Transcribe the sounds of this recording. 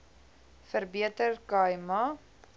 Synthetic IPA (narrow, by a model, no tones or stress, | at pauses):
fərbiətərkɐjmɐ